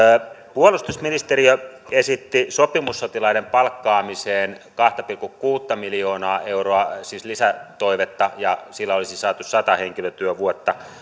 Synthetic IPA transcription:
puolust̪usminist̪eɾiøesit̪ːisopimusːot̪ilɑinempɑlkːɑːmiseːn | kɑht̪ɑpilkukkuːt̪ːɑmiljoːnɑːʔeuroɑsislisæt̪oiʋet̪ːɑjɑsilːæolisisɑːt̪ussɑt̪ɑheŋkiløt̪yøʋuot̪ːɑ

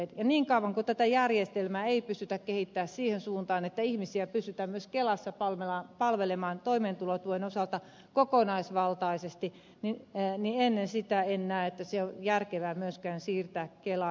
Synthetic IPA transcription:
jɑniːŋkɑuʋɑŋkot̪æt̪æjærjest̪elmæːeipysyt̪ækkehit̪ːæːssiːhensuːnt̪ɑːnet̪ːæihmisiæpysyt̪æmmyøskelɑsːɑpɑlʋelɑpɑlʋelemɑːnt̪oimeːnt̪ulot̪uoenosɑlt̪ɑ | kokonɑisʋɑlt̪ɑisest̪i | ninienːensit̪æenːæːet̪ːæseojærkeʋæːmyøskæːnsiːrt̪æːkkelɑ

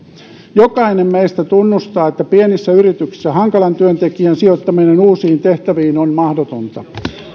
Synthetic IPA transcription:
jokɑinemmeist̪æt̪unːust̪ɑːet̪ːæpienisːæyɾit̪yksi̥sːæhɑŋkɑlɑnt̪yønt̪e̞kiænsiot̪ːɑminenuːsiːnt̪eht̪æʋiːnonmɑhdot̪ont̪ɑ̰

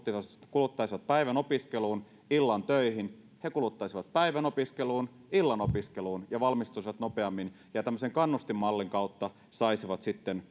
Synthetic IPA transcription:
t̪ːikulut̪ːɑisiʋɑt̪̚pæiʋænopiskeluːn | ilːɑnt̪øihin | hekulut̪ːɑisiʋɑt̪̚pæiʋænopiskeluːn | ilːɑnopiskeluːnjɑʋɑlmist̪uisiʋɑt̪nopeɑmːin | jɑt̪æmːøseŋkɑnːust̪imːɑlːiŋkɑut̪ːɑ | sɑisiʋɑt̪sit̪ːen

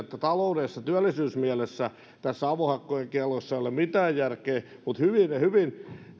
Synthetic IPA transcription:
et̪ːæt̪ɑloudesːɑt̪yælːisyːsmiælesːæ | t̪æsːɑʋohɑkːojeŋkiɑlosːɑolemit̪æːjjærkeː | mut̪hyʋinehyʋin

